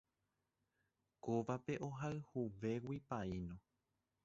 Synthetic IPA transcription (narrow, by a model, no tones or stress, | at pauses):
koʋape̞ʔo̞ɦaɨhuʋe̞wipainõ